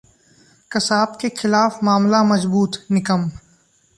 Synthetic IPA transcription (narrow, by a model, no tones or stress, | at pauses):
kɐsaːbkexɪlaːfmaːmlamɐzbuːt̪nɪkəm